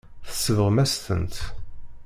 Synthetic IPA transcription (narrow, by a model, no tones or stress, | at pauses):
θə̥sːəvəʁmæst̪ə̰nt̪